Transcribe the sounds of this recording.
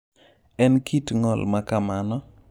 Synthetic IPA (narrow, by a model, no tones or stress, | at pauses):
ɛnkʰitŋɔlmakamanɔ